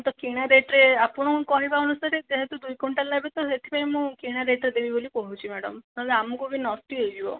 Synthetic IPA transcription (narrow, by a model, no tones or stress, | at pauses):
t̪ɔkiɽ̃aɾeʈɾeapɔɽ̃ɔmũkɔɦibaɔnusaɾed͡ʒeɦet̪ud̪ujkɔɳʈalabit̪ɔet̪ʰibaimũkiɽ̃aɾeʈɾed̪ebibolikɔɦut͡ʃʰimɛɽɔ̰mɔleamũkubinɔsʈiejd͡ʒibɔ̰